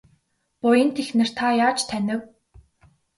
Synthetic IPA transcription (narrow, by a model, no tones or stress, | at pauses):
pʊjə̆nt̪ʰexnɘ̆r̥t̪ʰajaːt͡ɕt̪ʰænʲɪ̆w